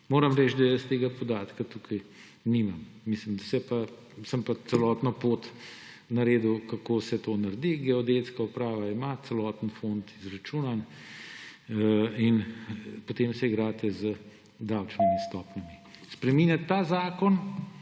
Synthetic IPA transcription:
moːɾɐmɾɛt͡ʃd̪ajɛst̪eːɡapod̪aːt̪kat̪ukʰɐj | nimammislimd̪ɐsɛpa | səmpat̪sɛlɔːt̪nɔpoːt̪ | nɐɾeːd̪ukɐkoːsɛt̪oːnɐɾd̪iɡɛɔd̪et̪skaupɾaːʋaimat̪sɛlɔːt̪ənfont̪izɾat͡ʃuːnan | inpot̪emsɛiɡɾaːt̪ɛzə | d̪awt͡ʃnimist̪ɔːpnamispɾɛmiːnjat̪ːaːzaːkɔn

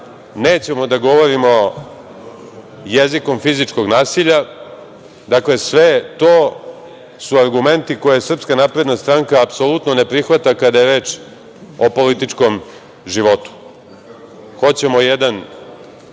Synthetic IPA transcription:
neːt͡ɕemo̞d̪aɡo̞ʋo̞ɾimo̞ | jeziko̞mfizit͡ʂko̞ɡnaːsiʎa | d̪akle̞sʋet̪oː | suaɾɡume̞nt̪ikojesr̩pskanapɾe̞d̪nast̪ɾaŋkaːpso̞lˠut̪none̞pɾixʋat̪akad̪ajeɾe̞ːt͡ʃ | o̞po̞lit̪it͡ʂko̞m | ʒiʋo̞t̪u̥ | xo̞t͡ɕe̞mo̞jed̪an

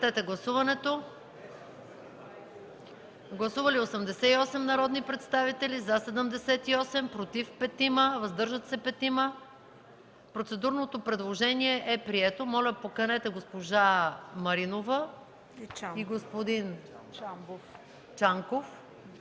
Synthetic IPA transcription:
t̪ɛt̪ɛɡlˠɐsuvɐnɛt̪o | ɡlˠɐsuvəliosɐmd̪ɛsɛiɔsɛmnɐɾɔd̪nipɾɛt̪st̪avit̪ɛlizasɛd̪əmd̪ɛsɛt̪iɔsɛmpɾot̪ifpɛt̪iməvɐzd̪ɤɾʒət̪sɛpɛt̪imə | pɾot̪sɛd̪uɾnot̪opɾɛd̪lˠoʒɛniɛʔɛpɾiɛt̪omɔlʲɐpokɐnɛt̪ɛɡospoʒamɐɾinovə | iɡospod̪in | t͡ʃaŋkof

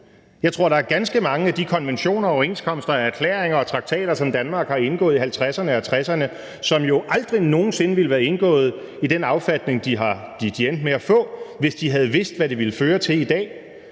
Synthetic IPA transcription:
jɑ̈ɪt͡sʰʁo̝ɐɾ̥ɑ̈æɐɡ̥ænsɡ̥əmɑ̈ŋəæd̥ikʰɒ̽nʋenɕo̝̰ːnɐɒʊe̝ːnskʰɒ̽m̰sd̥ɐææɐkʰlḛːɐeŋɐɒ̽t͡sʰʁɑ̈ɡ̥̚t͡sʰɛ̰ːɾ̥ɐsɒ̽md̥ænmɑ̈ːɡ̥hɑ̈e̝nɡ̥ɔ̰̽ːð̞ˠiɦælt͡sʰʁasɐnəɒhælt͡sʰʁasɐnə | sɒ̽mjo̝ʔɑ̈ld̥ʁino̝ːn̩se̝nəʋeləʋæːɐe̝nɡ̥ɔ̰̽ːð̞̩ˠ | id̥enɑ̈ʊfæd̥ne̝ŋd̥iɦɑ̈d̥id̥ien̰d̥meæfɔ̰̽ːʋe̝sd̥iɦæð̞̩ˠʋe̝sd̥ʋæɾe̝ʋe̝ləføːɐt͡sʰe̝lid̥ɛ̰ː

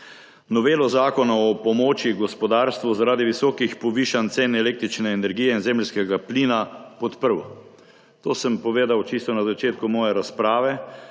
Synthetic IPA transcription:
nɔʋeːlɔzaːkɔnaɔpɔmɔːt͡ʃiɡɔspɔd̪aːɾst̪ʋuzaɾaːd̪iʋisɔːkixpɔʋiːʃant̪seːnɛleːkt̪ɾit͡ʃnɛːnɛɾɡijɛinzeːmlʲskɛɡapliːnapɔt̪pəɾwɔ | t̪oːsəmpɔʋeːd̪awt͡ʃist̪ɔnazat͡ʃeːt̪kumɔːjɛɾaspɾaːʋɛ

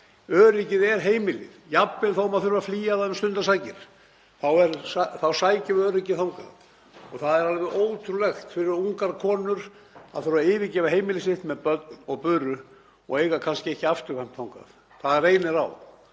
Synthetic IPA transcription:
œːɾicɪðɛɾ̥ɦeːjmɪlɪðjapːɪlθawʏmaðθʏɾʏvafliːjaðaðʏmst̪ʏnt̪asaːjcɪɾ̥ | θawɛɾaθawsaːjcɪœːɾɪcɪθawŋka̰ð | ɔɣθaðɛɾalvɛʔoːwt̪ʰɾulɛxt̪fɪɾɪɾuŋkaɾkʰɔːnʏɾ | aðθʏɾʏvaɪːvɪcɛːvaɦeːjmɪlɪsɪht̪mɛðpœt̪̚nɔɣpʏːrʏ | ɔ̰ɣeːjɣakʰanscɪɛhcɪaft̪ʏɾ̥fɛjm̥t̪θawŋka̰ð | θaðarejnɪɾa̰w

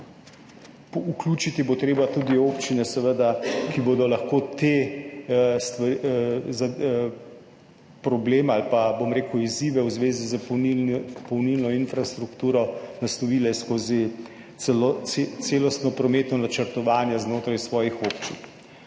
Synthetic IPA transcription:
uklʲuːt͡ʃit̪ibot̪ɾeːbat̪ud̪ioːpt͡ʃinɛsɛʋəd̪akibod̪ɔlaxkoːt̪e | st̪ʋaza | pɾɔbleːmalpabomɾeːkʊiziːʋɛwzʋeːzizəipɔwniːlnɔinfɾast̪ɾukt̪uːɾɔnaslɔʋiːlɛskoːzi | ɛlt̪seːlɔst̪nɔpɾɔmeːt̪nɔnat͡ʃəɾt̪ɔʋaːnjɛznoːt̪ɾajsʋɔːjixoːpt͡ʃin

